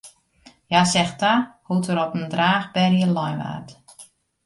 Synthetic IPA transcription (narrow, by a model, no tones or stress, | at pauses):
jasɛxtahutəɾɔpəndraːxbɛrjəlɔjʋa̰ːrt